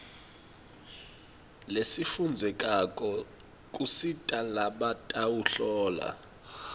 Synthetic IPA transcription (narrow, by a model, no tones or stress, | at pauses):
lesifund͡zʱɛkʼakʼɔ | kʼusitʼalaɓatʼawuɬɔːla̰